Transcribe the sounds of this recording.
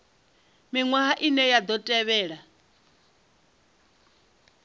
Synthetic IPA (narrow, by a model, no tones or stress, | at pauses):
miŋwaɦaʔinɛjad̪ɔtʼɛβɛːɺa